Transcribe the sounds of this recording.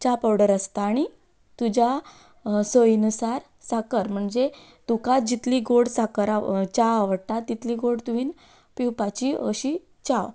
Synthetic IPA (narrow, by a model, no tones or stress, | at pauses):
t͡ɕapawɽəɾəst̪aːɽ̃i | t̪ud͡ʑa | səjnusaɾ | sakəɾm̤əɳd͡ze | t̪ukad͡ʑit̪liːɡoɽsakəɾat͡ɕaaʋəɽt̪at̪ːit̪liːɡoɽt̪uʋiːn | piwpat͡ɕiə̰ɕi | t͡ɕaw